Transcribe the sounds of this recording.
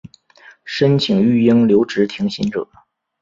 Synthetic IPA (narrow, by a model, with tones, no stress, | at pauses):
ʂə˥nt͡ɕʰi˨˩ŋy˥˩i˥ŋljo˧˥ʊʈ͡ʂɻ̩˧˥t̪ʰi˧˥ŋɕi˧˥nʈ͡ʂɤ̰˨˩˦